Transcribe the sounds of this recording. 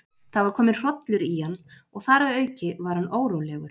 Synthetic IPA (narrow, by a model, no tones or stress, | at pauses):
θavaɾ̥kʰɔːmɪnr̥ɔt̪lʏɾihanː | ɔɣθaːɾaðœːɥcɪvaɾ̥hanoːwɾowlɛɣʏɾ̥